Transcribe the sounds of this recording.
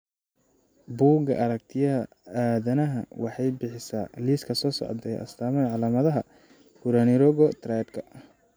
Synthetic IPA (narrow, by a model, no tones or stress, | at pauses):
buːɡɐ̰ʔɐɾɐk̚t̪ʰɪjɐɐ | aːðɐnɐɦɐ̰wɑħɑjbɪħɪsa̰ːliːskʰɐsɔːsɔ̰ʕd̪ɛjʔɐ̰st̪ʰaːmɐʕɑlaːmɐðɐɦɐ | kʰʊɾɐnɪɾɔɣɔt̪ʰɾajd̪kʰɐ